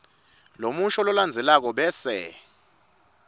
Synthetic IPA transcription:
lomuʃɔlɔland͡zʱɛlak̬ɔɓɛːsɛ̰

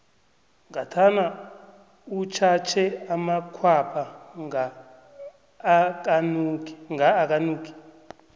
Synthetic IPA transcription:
ŋɡatʰana | ut͡ʃʰat͡ʃʰɛamakʰwapʰaŋa | knŋaːk̬ʼanuːk̬ʰi̥

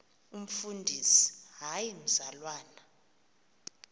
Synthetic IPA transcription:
um̩fundʱisi̥ɦajim̩zalwaːna

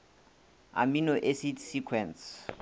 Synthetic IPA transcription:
a̰minoʔesitsikʰwɛns

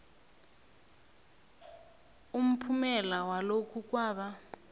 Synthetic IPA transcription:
um̩pʰumɛlawalokʰuk̬waːɓa

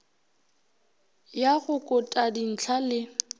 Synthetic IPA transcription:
jaɣʊkʼʊtʼadin̩t͡ɬʰalɪ

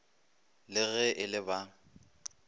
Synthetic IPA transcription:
lɪɣɛʔɪlɪba

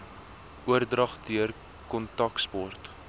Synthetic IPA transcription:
ʔuərdrɐχdiər | kɔntɐkspɔrt

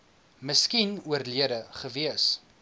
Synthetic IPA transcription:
məskinuərliədəχəviəs

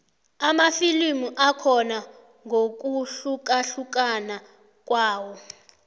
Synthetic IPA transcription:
amafilimuʔakʰɔna | ŋʱok̬uɬuk̬ʼaɬuk̬ʼana | k̬ʼwaːwɔ

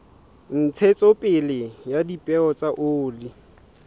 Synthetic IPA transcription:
n̩t͡sʰet͡sʼopʼɪlɪjadipʼɛɔt͡sʼaʔoːli

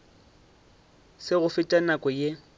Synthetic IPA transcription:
sɪɣʊfɪtʼanakʼɔje

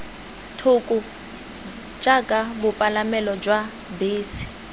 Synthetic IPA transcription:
tʰʊkʼʊ | d͡ʒʼakʼabʊpʼalamɛlɔd͡ʒwa | beːsi̥

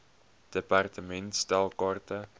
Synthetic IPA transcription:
d̥epɑrtəmɛntstælˠkɑːrtə

